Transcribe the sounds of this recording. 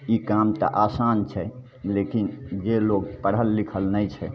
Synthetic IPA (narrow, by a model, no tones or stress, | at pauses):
ikamt̪ə̰ʔasant͡ʃʰɛ | lekind͡ʒeloɡpəɽ̤ɦəlːikʰəlnəjt͡ʃʰɛ